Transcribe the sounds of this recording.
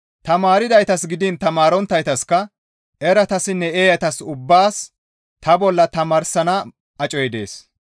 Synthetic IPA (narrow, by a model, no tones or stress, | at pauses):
t̪ɐmaːɾɪd̪ɐjt̪ɐsɡɪd̪ɪnt̪ɐmaːɾɔnt̪ːɐjt̪ɐskːɐ | ʔɛɾɐt̪ɐsɪnːɛeːjɐt̪ɐsʊbːaːs | t̪ɐbɔlːɐt̪ɐmɐɾsɐnɐ | ɐt͡ʃʼɔjɛd̪e̞̰ːs